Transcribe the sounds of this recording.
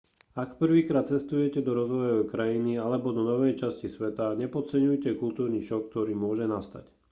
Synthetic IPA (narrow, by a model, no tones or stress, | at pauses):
akpr̩ʋiːkɾaːt̪̚t͡sɛst̪ujɛcɛd̪ɔɾɔzʋɔjɔʋɛkɾajinialɛbɔd̪ɔnɔʋɛjt͡ʃascisʋɛt̪aɲɛpɔt͡sɛɲujcɛkult̪uːɾniːʃɔk̚k̚t̪ɔɾiːmʊɔʒɛnast̪a̰c